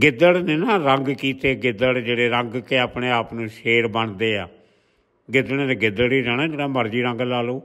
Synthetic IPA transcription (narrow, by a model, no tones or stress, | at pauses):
ɡɪd̪əɽneːnãːɾəŋɡkiːt̪eːɡɪd̪əɽd͡ʒeːɽeːɾəŋɡkeːaːpɳeːaːpnũːʃeːɾbəɳd̪eːaː | ɡɪd̪əeːt̪eːɡɪd̪əɽiːɾɛːnaːd͡ʒeːɽaːməɾd͡ʒiːɾə̃ŋɡlaːloː